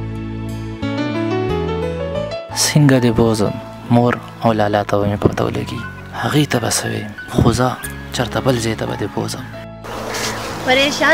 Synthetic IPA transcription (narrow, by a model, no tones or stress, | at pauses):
siŋɡad̪eboːzə̰ | moːɾ | ɐwlaːlaːt̪awɐmipa̰t̪a̰w̰lḛɡi | hɐɣiːt̪ɐba̰sɐwḛ | xʊzaː | t͡ʃɐɾt̪abəlzeːt̪aba̰d̪ebo̰ːzəm | pɐɾeːʃaː